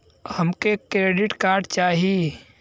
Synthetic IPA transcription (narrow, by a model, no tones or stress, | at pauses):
həmkekɾeːɖɪʈkaːɾɖt͡ʃaːɦi